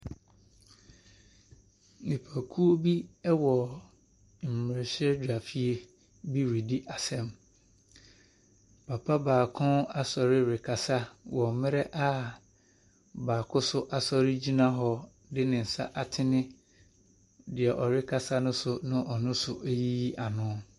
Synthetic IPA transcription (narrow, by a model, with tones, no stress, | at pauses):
nɪ̃˨pʰa˨kʰu˦o˦bi˦ɛ˦wɔ˨ | m̩˨mɪ˨ɪ˨ɕɛ˦dᶣa˨fi˦e˦ | bi˦ɾi˨di˦ʔa˨sɛ̃˦m | pʰa˨pʰa˦baː˨kʰʊ̃˦a˨sɔ˨ɾɪ˦ɾɪ˨kʰa˨sa˦wɔ˨mɪ̃˦ɾɛ˦ʔa˦ | baː˨kʰʊ˦sʊ˦ʔa˨sɔ˦ɾɪ˦d͡ʑi˦nã˦ɦɔ˨ | dɪ˦nɪ̃˨n̩˨sa˦ʔa˨tʰɪ˦nɪ̃˦ | dɪ˨ɛ˨ʔɔ˨ɾɪ˦kʰa˨sa˦nʊ̃˦sʊ˨nʊ̃˦ʔɔ˨nʊ̃˦sʊ˨ʔe˦ji˦a˨nʊ̃˦